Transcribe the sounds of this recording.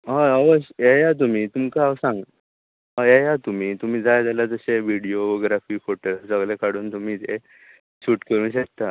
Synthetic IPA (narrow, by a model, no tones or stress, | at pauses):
ɦãəʋəɕejat̪̬um̤iːt̪umkasãŋɡ | ɦãjejat̪um̤iːt̪um̤iːd͡zajd͡zalad͡z̪əɕeʋiɽijoɡɾafiːfoʈəlsəɡɭekaɽ̤uːnt̪um̤iːte | ɕuːʈkəɾũːnɕ̬ek̚t̪a